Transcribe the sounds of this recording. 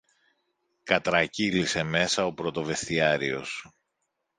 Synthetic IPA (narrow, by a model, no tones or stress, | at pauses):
kɐt̪ɾɐcilise̞me̞sɐo̞pɾo̞t̪o̞ve̞st̪iɐɾio̞s